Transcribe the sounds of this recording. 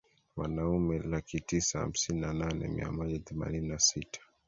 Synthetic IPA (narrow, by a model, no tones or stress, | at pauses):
wanaumɛlakitisaha̰m̩sininananɛ̰mḭa̰mɔʄaθɛma̰nininasitʰḁ